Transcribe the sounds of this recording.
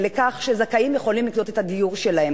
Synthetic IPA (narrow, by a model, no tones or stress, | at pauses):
lekaχʃezakaimjeχo̞limlikdo̞t̪ethad̪ijuʁʃelahe